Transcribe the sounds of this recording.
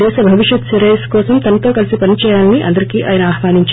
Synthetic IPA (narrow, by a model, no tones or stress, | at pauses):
ɛːʃɐbʱɐʋiʃjɐt̪sɐɾeːskɔːsɐmt̪ɐnɐt̪o̞ːkɐlisipɐnit͡ʃɛːjaːlɐniʔɐ̰nd̪ɐɾikiːʔaːjɐnɐaːɦʋaːniɲt͡ʃ